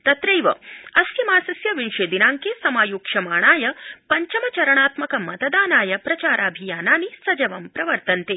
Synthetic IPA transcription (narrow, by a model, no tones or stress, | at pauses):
t̪ɐt̪ɾɐjʋɐ̰ɐsjɐmaːsɐsjɐʋinʃeːd̪inaːŋkesɐmaːjuːkʂɐmaːɳaːjɐpɐɲt͡ʃɐmɐt͡ʃɐɾɐɳaːt̪mɐkɐmɐt̪ɐd̪aːnaːjɐpɾɐt͡ʃaːɾʔaːbʱijaːnaːnisɐd͡ʒɐʋɐmpɾɐʋɐɾt̪ɐnt̪eː